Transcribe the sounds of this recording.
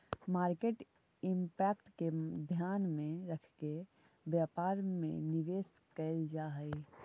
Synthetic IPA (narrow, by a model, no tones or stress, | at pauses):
maːɾkeːʈ | ɪmpɛːkʈked̪ʱjaːnmẽɾəkʰke | bjaːpaːɾmḛ̃nɪʋeːskəld͡ʒaːɦɛi